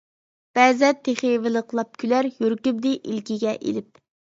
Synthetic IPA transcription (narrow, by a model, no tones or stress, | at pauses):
b̥ɛːzɛt̪ʰeχevɪlˠəqʰlˠɑp̚kʲʰylæɾjyɾkʲyb̚d̪ɪʔilkʲiɡʲɛʔḛlɪp̚